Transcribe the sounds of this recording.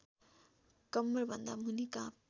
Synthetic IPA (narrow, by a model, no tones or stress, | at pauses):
kʌmːʌɾbʱʌnd̪a̰munika